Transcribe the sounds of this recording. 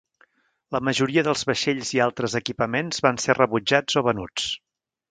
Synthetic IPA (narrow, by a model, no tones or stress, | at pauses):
ləməʒuɾiəðəlˠzβəʃeʎzialˠt̪ɾəzəkipəmenz̥βanserəβud͡ʒad͡zoβənut͡s